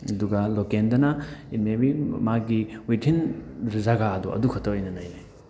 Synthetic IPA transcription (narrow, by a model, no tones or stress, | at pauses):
ɐduɡɐlokendɐnɐinmebimaɡiwitʰinɾzaɡaːdṵɐ̰dukʰɔtɐwɐjnɐnɐjnaj